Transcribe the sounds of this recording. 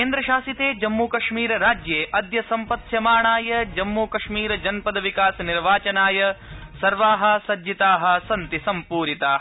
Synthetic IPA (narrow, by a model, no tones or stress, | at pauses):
keːnd̪ɾɐʃaːsit̪eːd͡ʒɐmːuːkɐʂmiːɾɐɾaːd͡ʒjeːʔɐd̪jɐsɐmpɐt̪jɐmaːɳaːjɐd͡ʒɐmːuːkɐʂmiːɾɐd͡ʒɐnpɐd̪ɐʋikaːsɐniɾʋaːt͡ʃɐnaːjɐsɐɾʋaːɦɐ̆sɐd͡ʒit̪aːɦɐ̆sɐnt̪isɐmpuːɾit̪aː